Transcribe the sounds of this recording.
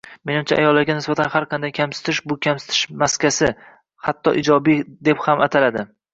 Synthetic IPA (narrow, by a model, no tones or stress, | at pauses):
me̞nɪmt͡ʃʰaʔajɒlːaɾɡʲanɪsbat̪ʰanhaɾqʰɑnd̪ajkʲʰamsɪ̥t̪ʰɪʃbʊkʲʰamsɪ̥t̪ʰɪ̥ʃmaskʲʰasɪ | hat̪ʰːɒʔɪd͡ʒɒbid̪e̞phamat̪ʰalad̪ɪ